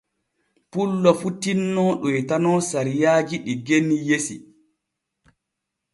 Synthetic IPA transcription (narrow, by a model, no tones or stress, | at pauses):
pulːɔfutinːɔɗɔjɛtanɔːsaɾijaːd͡ʒiɗiɡenːijesḭ